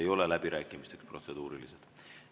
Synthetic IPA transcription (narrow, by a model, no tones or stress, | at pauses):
ejo̞lelæbiɾæːkːˑimist̪e̞kspro̞t̪se̞d̪̥uːɾilised̪̥